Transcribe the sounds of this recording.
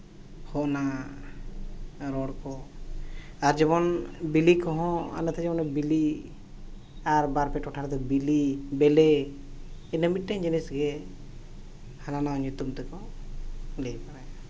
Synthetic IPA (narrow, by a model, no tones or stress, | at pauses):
hɔʔna | ɾɔɽkɔ | aɾd͡ʒɔβɔnbilikɔɦɔ̃a̰nət̪ʰɛd͡ʒɔbɔnɛbili | aɾbaɾpɛʈɔʈʰaɾd̪ɔbilibɛlɛ | ɛnəmiʈ̚ʈaɲd͡ʒənisɡɛ | hananaɲut̪umt̪ɛkɔ | lɛpaɾaja